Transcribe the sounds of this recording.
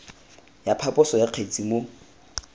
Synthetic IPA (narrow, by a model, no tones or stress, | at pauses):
japʰapʼʊsɔjaq͡χʰet͡sʼimo